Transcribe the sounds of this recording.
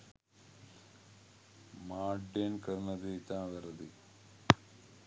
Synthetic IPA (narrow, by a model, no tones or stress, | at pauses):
maːɖeːnkɐɾnɐd̪et̪aːd̪ɐɾɐd̪i